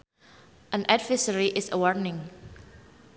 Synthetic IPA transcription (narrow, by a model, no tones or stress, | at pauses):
ʔə̃nɛdvəsəɹiʔɪsəwɔdnɪ̃ŋ